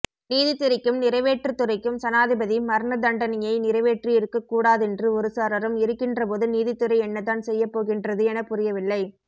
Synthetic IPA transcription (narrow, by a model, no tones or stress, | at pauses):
niːðɪt̪ːɪɾɐɪkːɯmnɪɾɐɪʋeːʈrɯt̪ːɯɾɐɪkːɯmsɐnaːðɪbɐðimɐɾɯɳɐd̪ɐɳɖɐnɪjɐɪnɪɾɐɪʋeːʈriɪɾɯkːɐkːuːɽaːðɛndrɯɔɾɯsɐɾɐɾɐmɪɾɯkːɪndrɐpoːðɯniːðɪt̪ːɯɾɐɪɛnːɐt̪ːaːnsɛjːɐpːoːɣɪndrɐðɯɛnɐpːʊrɪjɐʋɪlːɐɪ